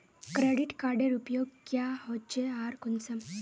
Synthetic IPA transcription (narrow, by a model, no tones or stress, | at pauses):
kɾeɽiʈkaɾɖeɾupjoɡ̚kjahɔt͡ɕeaɾkunsəm